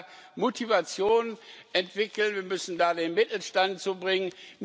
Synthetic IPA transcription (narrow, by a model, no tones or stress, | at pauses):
motʰivat͡sjoːnʔɛntv̥ɪkl̩nviːɐmʏsn̩daːdeːnmɪtl̩ʃtant̚t͡subʁɪŋənm